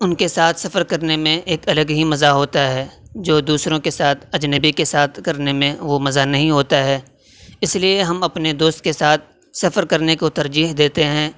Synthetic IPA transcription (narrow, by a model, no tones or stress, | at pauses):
ʊnkesaːt̪ʰsɐfəɾkɐɾnemẽʔeːkɐləɡɦimɐzaɦoːt̪aɦɛːd͡ʒoːd̪uːsɾõkesaːt̪ʰɐd͡ʒnəbikesaːt̪ʰkɐɾnemẽʋomɐzanɐɦĩɦoːt̪aɦɛː | ɪslieɦɐmɐpned̪oːst̪̚kesaːt̪̚ʰ | sɐfəɾkɐɾnekot̪ɐɾd͡ʒiːɦd̪eːt̪eɦɛ̃ː